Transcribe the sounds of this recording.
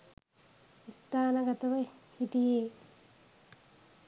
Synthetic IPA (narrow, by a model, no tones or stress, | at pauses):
ist̪aːnəɡɐt̪əʋəhiʈijeː